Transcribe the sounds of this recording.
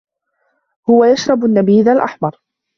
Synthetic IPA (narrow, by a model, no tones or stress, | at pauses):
hʊwajaʃɾˤɑbanːabiːðalʔaħmɑɾˤ